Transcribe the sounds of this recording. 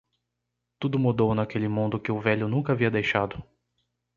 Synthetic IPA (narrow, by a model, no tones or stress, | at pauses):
t̪ud̪ʊmud̪ownɐkelɪmũnd̪ʊkɪʊvɛʎʊnũŋkɐːviɐd̪ejʃad̪ʊ